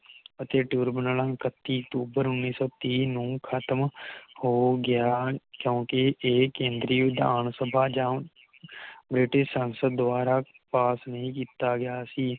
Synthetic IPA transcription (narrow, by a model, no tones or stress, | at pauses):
ət̪eːʈjuːɾbənələŋkət̪ːiːək̚ʈ̪uːbəɾʊnːiːsɔːt̪iːnũːkʰət̪əmhoːɡɪjaːkjõːkiʔeːkẽːnd̪ɾiːʊd̪a̰ːɳsəbʱaːd͡ʒãː | bɾɪʈɪʃsãnsəd̪ːʊaːɾaː | paːsnəɦĩk̬iːt̪aːɡɪjaːsiː